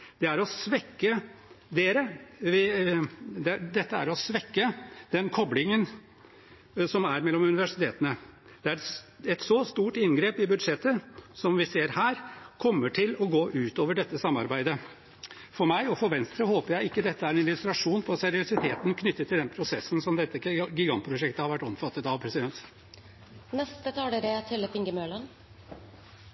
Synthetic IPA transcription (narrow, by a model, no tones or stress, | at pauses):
d̪̥ɛæɾɔsʋɛkːəd̪eːɾəʋɪ | d̪ɛd̪ɛt̪ːəæ̰ɾɔsʋɛkːəd̪ɛnkʰɔblɪŋən | sɔmæɾmɛlːɔmʉnɪʋæʂɪt̪ʰeːt̪ənə | d̪̥ɛæɾɛt̪sɔst̪uːʈɪnɡɾeːpɪbʉd̪ʂɛt̪ːəsɔmʋɪseːɾhæːɾkʰɔmːəʈʰɪlɔɡoːʔʉːt̪oːʋəɖɛt̪ːəsɑmːɑɾbæɪd̪ə | fɔɾmæɪɔfɔɾʋɛnst̪ɾəhoːpəɾjæɪɪkːəd̪ɛt̪ːəæɾɛnɪlʉst̪ɾɑʂuːnpʰɔsɛɾɪʊsɪt̪ʰeːt̪ənkʰnʏt̪ːət̪ʰːɪld̪ɛnpʰɾʊsɛsːən̩sɔmd̪ɛt̪ːəəɡɪɡɑnt̪pʰɾʊʂɛkt̪əhɑɾʋæʈːɔmfɑt̪ːət̪ɑʋpʰɾɛsɪd̪ɛnt̪ | nɛst̪ət̪ʰɑːlːɾət̪ʰɪlfɪŋɡəmøːlɑn